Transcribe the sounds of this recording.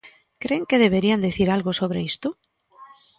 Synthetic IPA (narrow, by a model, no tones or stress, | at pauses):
kɾeŋkeðeβeɾiand̪eθiɾalɣʊsoβ̞ɾeist̪ʊ